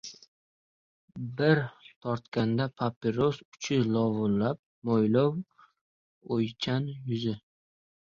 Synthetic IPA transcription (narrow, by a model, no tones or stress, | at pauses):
bɪɾt̪ʰɒɾt̪kʲand̪apʰapeɾosʊ̥t͡ʃʰɪlɒvʊlːap̚mojlow | ojt͡ʃʰanjʊzɪ